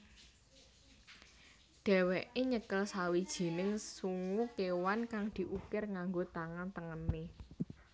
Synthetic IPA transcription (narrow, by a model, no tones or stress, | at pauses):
ɖ̥ɛ̤weʔeɲəkəlsawid̥ʒ̥i̤nɪŋsuŋukewankaŋd̪̥i̤ʔukɪrŋaŋɡot̪aŋant̪əŋəne